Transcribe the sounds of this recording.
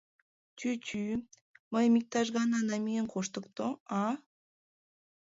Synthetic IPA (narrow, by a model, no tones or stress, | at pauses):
t͡ʃyt͡ɕy | məjmʲik̚t̪ɑʒɣɑnɑnɑmijənkoʃt̪ə̆kt̪oɑ